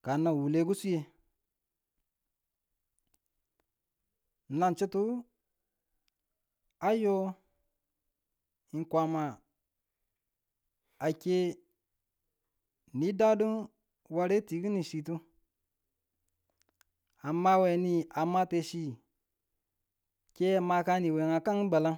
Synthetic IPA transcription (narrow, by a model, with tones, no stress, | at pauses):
ka˨na˨wu˨le˦ɡu˦su˦je˨ | na˨nt͡ʃi˦tu˦ | a˦jo˦ | i˨nkʷa˨ma˨ | a˨kʲe˦ | ni˦da˦du˦n | wa˧ɾe˦ti˨ɡi˦ni˨ʃi˨tu˦ | a˨mːa˦we˨ni˦a˨mːa˦te˨ʃi˦ | ke˦˨ma˧ka˦ni˨we˨ŋa˨ka˦ŋ˦ba˨la˦